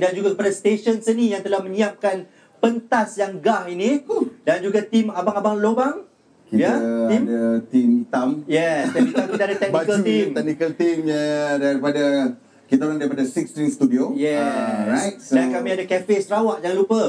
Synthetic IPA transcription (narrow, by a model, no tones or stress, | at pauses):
dand͡ʒuɡakəpadast̪eʃənsənĩjaŋt̪əlahmə̃ɲiap̚kan | pənt̪asjaŋɡahinidand͡ʒuɡat̪imabaŋabaŋlobaŋ | kijaimdat̪imit̪amjɛsait̪amkit̪aadat̪ɛknbakəlt̪imt̪ɛk̚nikəlt̪imjadaɾipada | kit̪aunaŋdaɾipadasikst̪ɾist̪udiojɛɾasjt̚dankamĩadakɛfesɾawaʔd͡ʒaãlupə